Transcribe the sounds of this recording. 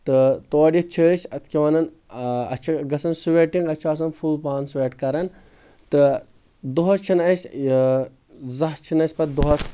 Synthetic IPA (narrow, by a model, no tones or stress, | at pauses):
t̪ɨt̪oːɖʲjit͡ʃʰəːsʲɐt̪ʰkʲiʋɐnɐn | ɐ̰t͡ʃʰɐɡɐsɐnsuʋeːʈiŋɡɐt͡ʃʰɐːs̬ɐnfʰulpaːnsʋeːʈkɐɾɐn | t̪ɨ | d̪oɦɐst͡ʃʰinɐsʲ | zɐɦt͡ʃʰinɐsʲpɐd̪uɦɐs